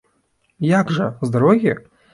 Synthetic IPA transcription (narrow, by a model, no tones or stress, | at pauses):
jakʷʐazd̪aɾoɣʲe